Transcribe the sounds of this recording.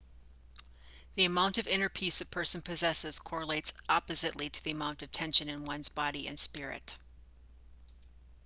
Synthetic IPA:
ðiɨmãʊ̃ntʌvɪ̃ñə˞pʰisʌv̥pʰɜ˞sn̩pʰɨzɛsɨz̥kʰɔɹəleɪtsɑpɨzɨʔˡliɾɨðiɨmãʊ̃ntʌv̥tʰɛ̃nʃɨ̃nɨ̃nwʌ̃nzbɑɾiɨ̰̃nspɪɹɪ̰t

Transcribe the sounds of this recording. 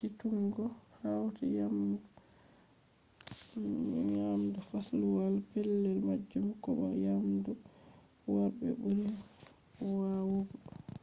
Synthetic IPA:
kituŋɡɔhawtajamdu | sijamdufasluwalpɛlːɛlmad͡ʒːumkɔba̰jamdu | wabɛ̰buɾi | wawoɡɔ

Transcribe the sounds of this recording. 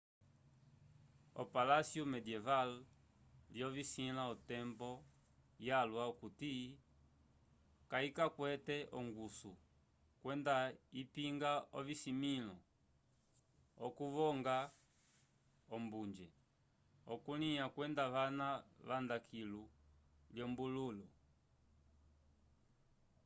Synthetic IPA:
ɔ̰palasjɔmɛdiɛval | vjɔvisilaɔtɛmbɔ | jalwaɔkuti | kaikakwɛtɛʔɔŋɡusu | kwɛndaipiŋɡaɔvisimilɔ | ɔkuβɔŋɡa | ɔmbund͡ʒɛ | ɔkuliakwɛndaʋanaʋandakʰilu | ljɔmbululu

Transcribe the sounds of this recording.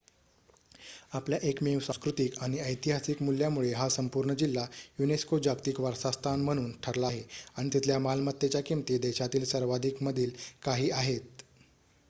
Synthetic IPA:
apljaʔekmewsãskɾut̪ikaɽ̃iəjt̪iɦasikmuljamuɭeɦasəmpuɾɳəd͡ʑilːajuneskod͡ʑaɡt̪iːkʋəɾsast̪ʰanm̤əɽ̃uːnʈʰəɾlaɦeaɽ̃it̪it̪ʰljamalmət̪ːet͡ɕjakimt̪iːd̪eɕat̪iːlsəɾʋad̪ʱikməd̪ʱiːlkaɦiːaɦet̪̚

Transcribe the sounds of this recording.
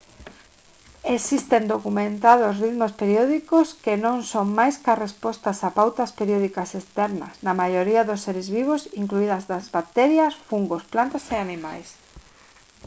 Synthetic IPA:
esist̪end̪okumẽnt̪aðosriðmospeɾjɔðikoskenõŋsoŋmajskarespɔst̪asapawt̪aspeɾjoð̞ikasest̪ɛɾnɐ̰snɐmajoɾiaðosːeɾezβiβ̞osiŋkluiðɐzðazβak̚t̪ɛɾjɐsfuŋɡosplant̪aseanima̰js

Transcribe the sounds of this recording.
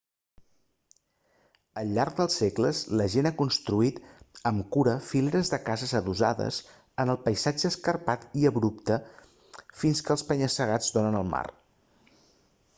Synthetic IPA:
əlːark̚d̪əlˠsːekləzləʒenakunst̪ɾuit̪əmkuɾəfileɾəzðəkazəzəðuza̰ðə̰s | ənəlˠpəjzad͡ʒəːskəɾpat̪iəβɾupt̪ə | finskəːlˠspəɲəsəɣ̞ad͡zd̪onənəlˠma̰r

